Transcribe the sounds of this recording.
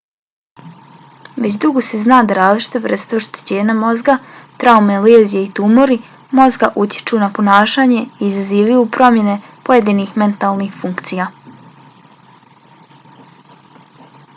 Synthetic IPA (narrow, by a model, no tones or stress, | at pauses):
ʋe̞t͡ɕd̪uɡose̞znaːd̪aɾaːzlˠit͡ʃi̥t̪eʋr̩st̪eoʃt̪e̥t͡ɕe̞ːɲamo̞zɡat̪ɾaumeleːzijeit̪umo̞ɾi | mo̞zɡaʔut̪je̥t͡ʃunapo̞naːʃaːɲe̞iːzaziːʋajuːpɾo̞mje̞ne̞po̞je̞d̪inixme̞nt̪aːlˠnixfuŋkt̪sijaː